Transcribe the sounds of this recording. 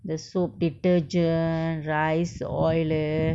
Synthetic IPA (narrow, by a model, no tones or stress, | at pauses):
d̪əsoːp̚ɖiʈəɾd͡ʒənɾaɪsɔ̰ɪl